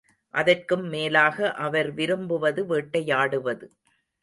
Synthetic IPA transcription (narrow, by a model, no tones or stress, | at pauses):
ʔɐðɐrkɯmːeːlaːɣɐʔɐʋɐɾʋɪɾɯmbɯʋɐðɯʋeːʈːɐjaːɽɯʋɐðɯ